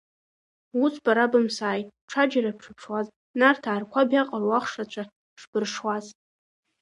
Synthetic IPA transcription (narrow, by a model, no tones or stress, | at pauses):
wusʰbaɾabɨmsaːjtʼʈ͡ʂʰad͡ʒaɾapʰʂɨpʰʂwaz | nartʰaːrkʷʰabjaqʼarwaχʂat͡ɕʷʰa | ʂb̥ɨrʂwaz